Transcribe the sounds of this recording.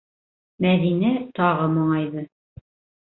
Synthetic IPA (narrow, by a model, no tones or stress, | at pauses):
mæðinæt̪ɑʁɤmŏɴɑjðɤ